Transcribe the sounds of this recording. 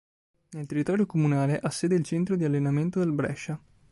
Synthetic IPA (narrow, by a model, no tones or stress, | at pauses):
nelt̪erːit̪ɔːɾjokomunaːleʔasːeːd̪eilt͡ʃɛnt̪ɾod̪ialːenament̪od̪elbɾɛ̰ʃːa